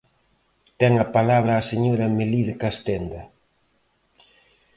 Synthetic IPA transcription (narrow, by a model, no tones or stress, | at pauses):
t̪ɛŋɐpalaβɾaːseɲoɾɐmeliðkast̪end̪ɐ